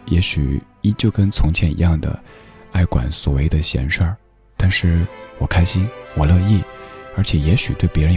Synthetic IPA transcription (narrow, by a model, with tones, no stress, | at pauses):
jɛ˧˥ɕy˨˩ | i˥t͡ɕjo˥˩ʊkə˥nt͡sʰʊ˧˥ŋt͡ɕʰjɛ˥˩nḭ˧˥jɑ˥˩ŋd̪ə̰˩a˥˩ɪkwa̰˨˩˦nswɔ̰˨˩we˥˩ɪd̪ə˨˩ɕjɛ̰˧˥nʂə˥˩ | t̪a˥˧nʂɻ̩˥˩wɔ˨˩kʰa˥ɪɕi˥nwɔ˨˩lɤ˥˧i˥˩ə˞˧˥t͡ɕʰjɛ˨˩jɛ˧˥ɕy˨˩t̪we˥˩ɪpjɛ˧˥ɻ